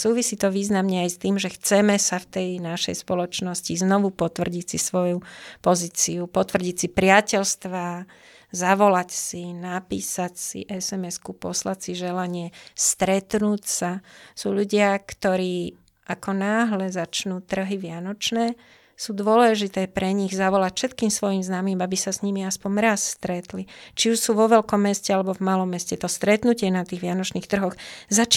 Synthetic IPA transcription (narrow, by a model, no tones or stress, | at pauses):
suːʋisiːt̪ɔʋiːznamɲɛajst̪iːmʒɛxt͡sɛmɛsaft̪ɛjnaʃɛ̰jspɔlɔt͡ʃnɔsciznɔʋupɔt̪ʋr̩ɟisisʋɔjupɔziːt͡siupɔt̪ʋr̩ɟicsipɾɪacɛʎst̪ʋa | zaʋɔlacsinapḭːsacsḭʔɛsɛmɛskupɔslacsiʒɛlaɲɪɛst̪ɾɛt̪nuːcsasuːʎuɟɪakt̪ɔɾiː | ʔakɔnaːɦlɛzat͡ʃnuːt̪r̩ɦiʋɪanɔt͡ʃnɛː | suːd̪ʊɔlɛʒit̪ɛːpɾɛɲiɣzaʋɔlacfʃɛt̪kiːmsʋɔjimznamiːmabisasɲimiaspɔɲɾasst̪ɾɛt̪lit͡ʃiuʃsuːʋɔʋɛlkɔmːɛscɛalɛbɔvmalɔmːɛscɛt̪ɔst̪ɾɛt̪nucɪɛnat̪iːɣʋɪanɔt͡ʃniːxt̪r̩ɦɔxzat͡ʃ